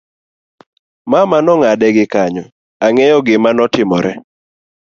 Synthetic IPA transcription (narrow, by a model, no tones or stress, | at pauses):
mamanɔŋadɛɡɪkaɲɔ | aŋɛjɔɡɪmanɔtɪmɔɾɛ